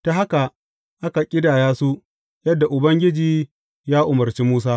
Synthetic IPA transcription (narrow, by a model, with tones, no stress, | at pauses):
ta˨ɦa˦ka˨ | ʔa˦ka˨kʲʼɪ˦daː˨jaː˦su˦ | jɐ˦dːa˨ʔʊ˨bɐ˦ŋɡʲɪ˦d͡ʒiː˨ | jaː˦ʔʊ˨mɐ˨rt͡ʃi˦muː˦s̬aː˦